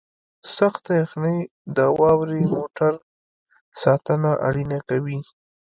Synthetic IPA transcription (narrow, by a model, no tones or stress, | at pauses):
saxt̪ajaxnəj | d̪əwɑwɾemoʈaɾ | sɑt̪ənaʔa̰ɽinakawi